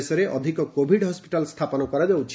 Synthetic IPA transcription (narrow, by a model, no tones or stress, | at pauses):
sɔɾeʔɔd̪ʱikɔkobʱiɖɦɔspiʈalst̪ʰapɔnɔkɔɾad͡ʒawt͡ʃʰ